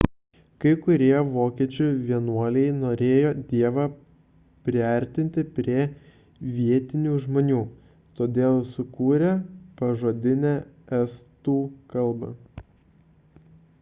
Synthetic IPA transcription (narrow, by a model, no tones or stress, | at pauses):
kɐɪkʊɾʲiɛʋoːkʲiɛt͡ʃʲʊʋʲiɛnuɔlʲɛɪnoːɾʲeːjoːd̪ʲiɛʋɑ | pʲɾʲɪɛˑɾʲt̪ʲɪnʲt̪ʲɪpʲɾʲiɛ | ʋʲiɛt̪ʲɪnʲuːʒmoːnʲuː | t̪oːd̪ʲeːlˠsʊkuːɾʲɛpɐʒoːd̪ʲɪnʲæɛst̪uːkɐlˠˑbɐ̰